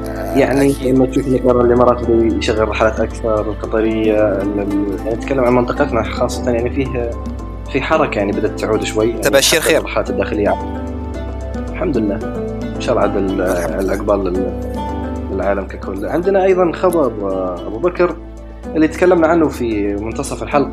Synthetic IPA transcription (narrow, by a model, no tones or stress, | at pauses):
jaʕniʔɪmːat̪ʃuːfnakɑɾˤɑlimɑɾˤɑːt̪bijʃaɣːəɾːɑħalaːt̪ʔakθɑɾˤəlqɑt̪ˤɑɾɪjːaɪljaʕniat̪kalːamʕanmənt̪ˤɨqɑt̪naxɑːsˤːɑ̥t̪ɑnjaʕnifiːh | fiħɑɾˤɑkajaʕnibad̪at̪ːʕuːd̪ʃwajːjaʕiʃiːɾːrˤːɑħalaːt̪d̪ːaːxɪlɪjːaʕa | a | ɪlħamd̪lːaː | ʃɑɾˤʕad̪ɪlɪlʔaqbɑːlɪ | lɪlʕaːlamkakʰʊlːʕɪnd̪naʔɑjðˤɑnxɑbɑɾˤʔa̰bubakɾ | ʔɪlːit̪kalːamnaʕanːʊfimʊnt̪ɑsˤɑfɪlħal